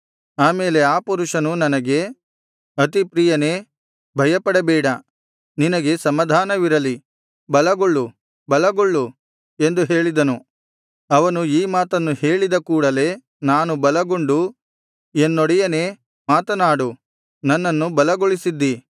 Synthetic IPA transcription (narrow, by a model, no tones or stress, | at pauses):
aːme̞ːle̞aːpuɾuʂɐnunɐnɐɡe̞ | ɐt̪ipɾijɐne̞ː | bʱɐjɐpɐɽɐbɛːɽɐ | ninɐɡe̞sɐmɐd̪ʱaːnɐʋiɾɐli | bɐlɐɡoɭːu | bɐlɐɡoɭːu | e̞nd̪uɦe̞ːɭid̪ɐnu | ɐʋɐnuiːmaːt̪ɐnːuhe̞ːɭid̪ɐkuːɽɐle̞ː | naːnubɐlɐɡoɳɖu | enːoɽɛjɐne̞ː | maːt̪ɐnaːɽu | nɐnːɐnːubɐlɐɡoɭisid̪ːi